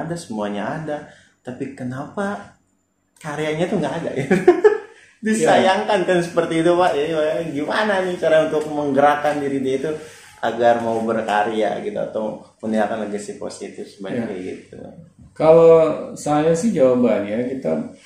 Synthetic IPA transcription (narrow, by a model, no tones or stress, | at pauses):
dasəmuaɲaada | t̪apikənapa | kaɾeaɲat̪uŋɡaʔːda̰ɡit̪u | disajaŋkankansəpərt̪iːt̪upaʔjaibaɡimananɪhkaɾaŋunt̪ʊk̚məŋɡəɾakandiɾidiait̪u | ʔa̰ɡarmaubərkaɾea̰ɡit̪ua̰t̪awməniakanləɡasipo̰sit̪ɪfsəbajaaɡḭt̪̚ṵkalosaaɲasɪhd͡ʒawabanjakit̪a